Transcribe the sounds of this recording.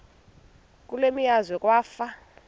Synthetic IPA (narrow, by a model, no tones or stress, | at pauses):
k̬ʼulemijazwɛkʼwaːfa